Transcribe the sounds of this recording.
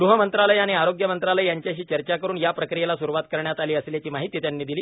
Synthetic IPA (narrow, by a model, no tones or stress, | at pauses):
ɡɾuɦəmənt̪ɾaləjaɽ̃iaɾoɡjəmənt̪ɾaləjjaɲt͡ɕjaɕiːt͡ɕəɾt͡ɕakəɾuːɳjapɾəkɾijelasuɾuʋat̪kəɾɳjat̪aliːəsljat͡ɕiːmaɦit̪iːt̪janːiːd̪iliː